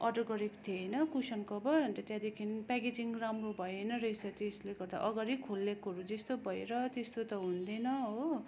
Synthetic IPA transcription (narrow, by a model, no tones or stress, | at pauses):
ʌrɖʌrɡʌɾekt̪ʰejnʌkusʌnkʌbʌʌnt̪ʌt̪jãd̪ekʰinpaked͡ziŋramrobʱʌjenʌɾʌjsʌt̪isleɡʌrd̪a̰ʔʌɡaɾikʰolːekoɾud͡zest̪obʱʌeɾʌt̪est̪ot̪ʌɦund̪enʌɦo